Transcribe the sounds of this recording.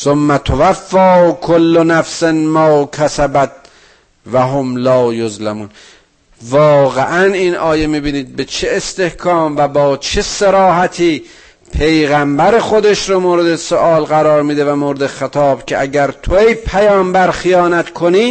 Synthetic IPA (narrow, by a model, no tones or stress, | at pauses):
somːæt̪ʰovæfːɒːkʰolːonæfsenmɒːkʰæsæbæt̪̚ | væɦomlɒːjozlæmuːn | vɒːɣeʔæniːnʔɒːjemiːbiːniːd̪̚bet͡ʃʰeːst̪e̞hkʰɒːmvæbɒːt͡ʃʰeseɾɒːɦæt̪ʰiː | pʰe̞jɣæmbæɾexod̪eʃɾomoːɾe̞d̪esoʔɒːlɣæɾɒːɾmiːd̪evæmoːɾed̪exet̪ʰɒːbcʰeʔæɟæɾt̪ʰoejpʰæjɒːmbæɾxijɒːnæt̪kʰoniː